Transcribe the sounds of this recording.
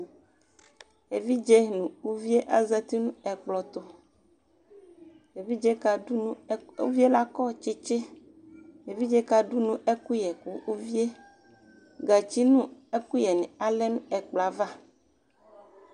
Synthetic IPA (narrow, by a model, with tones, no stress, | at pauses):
e˨vi˦d͡ʒe˦nũ˨u˦vi˦e˦ʔa˦zɛ˦t̪i˦nũ˦ɛ˨k͡plɔ˨t̪o˦ | e˨vi˦d͡ʒɛ˦ka˨du˦nũ˦u˦vi˦e˦la˦kɔ˦t͡ʃe˦t͡ʃe˦ | e˨vi˦d͡ʒɛ˦ka˨ɖu˦nũ˦ʔe˦ku˦jɛ˨ku˦u˦vi˦e˦ | ɡa˨t͡ɕi˦nũ˦e˦ku˦jɛ˨nẽ˨a˨lɛ˦nũ˦ɛ˨k͡pla˨va˦